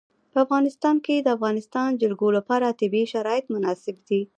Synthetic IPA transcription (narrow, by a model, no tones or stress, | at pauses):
pəafɣɑnɪst̪ɑnked̪əafɣɑnɪst̪ɑnd͡ʒʊɾɡolapɑɾat̪ɪbiʃaɾɑjɪt̪mʊnɑsɪbd̪i